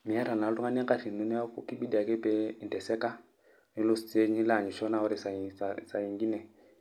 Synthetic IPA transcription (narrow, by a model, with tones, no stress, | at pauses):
mi˨a˦ɾa˨na˨˦lu˦ŋa˦nɛ˦ka˦ʃi˨nu˦nɛ˦a˦ku˨ki˦ɓi˦da˨kɛ˦pɛ˦i˨ntɛ˨sɛ˦ka˦ | ni˦lu˦st͡se˦ɲi˦la˦˨ɲi˨ʃɔ˦na˦ɔ˦ɾi˨sa˨i˨sa˨sa˨i˨ŋɡi˦nɛ˨